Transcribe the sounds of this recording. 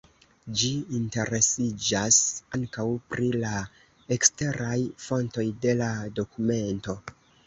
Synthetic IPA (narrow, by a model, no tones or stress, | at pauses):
d͡ʒiinte̞ɾe̞sid͡ʒasaŋkawpɾila | ekste̞ɾajfo̞nto̞jde̞lado̞kume̞nto̞